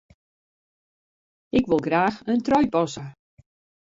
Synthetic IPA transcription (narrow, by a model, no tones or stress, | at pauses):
ɪkʋɪlˠɡraːxəntrɔjpɔsə